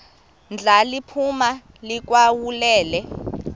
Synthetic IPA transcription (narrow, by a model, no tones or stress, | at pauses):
nd͡ɮʱalipʰuma | lik̬ʼwawulɛːlɛ